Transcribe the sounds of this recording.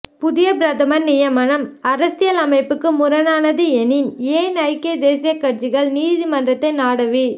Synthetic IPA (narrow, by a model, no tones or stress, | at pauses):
pʊðɪjɐbɾɐðɐmɐɾnɪjɐmɐnɐmɐɾɐsɪjɐlɐmɐɪpːɯkːɯmʊɾɐnaːnɐðɯɛnɪneːnɐɪkːɪɐd̪eːsɪjɐkːɐrt͡ʃɪɣɐɭniːðimɐndrɐt̪ːɐɪnaːɽɐʋi